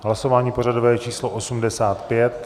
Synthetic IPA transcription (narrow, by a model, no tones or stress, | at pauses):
ɦlaso̞vaːɲiːpo̞r̝adovɛːt͡ʃiːsloʔosumdɛsaːt̪pjɛt̪